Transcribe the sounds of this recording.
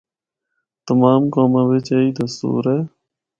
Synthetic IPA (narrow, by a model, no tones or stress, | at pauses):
t̪əmaːmkoːmãːʋɪt͡ʃeːiːt̪əst̪ṵːɾeː